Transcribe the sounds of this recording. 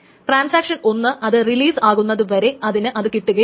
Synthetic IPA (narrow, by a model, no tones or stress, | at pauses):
ʈraːnsaːkʂɐno̞nːɨʔɐðɨriliːsaːɣunːɐðɨʋɐɾe̞ʔɐðinɨʔɐðɨkiʈːuɣɐ